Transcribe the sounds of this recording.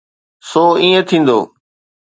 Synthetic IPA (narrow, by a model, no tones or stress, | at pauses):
soːĩːẽt̪ʰĩːnd̪o̰ː